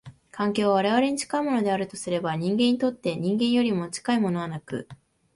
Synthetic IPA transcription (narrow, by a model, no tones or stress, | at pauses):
kʰãŋkʲo̞ːβaβaɾe̞β̞aɾe̞ɲ̟it͡ɕi̥kaimo̞no̞d̪e̞aɾɯ̟t̪osɨɾe̞baɲ̟ĩŋɡẽɲːit̪o̞t̪ːe̞ɲ̟ĩŋɡẽ̞ɰ̃jo̞ɾʲimo̞t͡ɕi̥kaimo̞no̞β̞anakɯ̟̰